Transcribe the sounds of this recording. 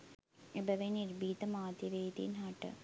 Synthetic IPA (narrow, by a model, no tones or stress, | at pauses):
ibɐʋeniɾbiːt̪ɐmaːt̪iʋeːt̪ḭnaːʈːɨ̰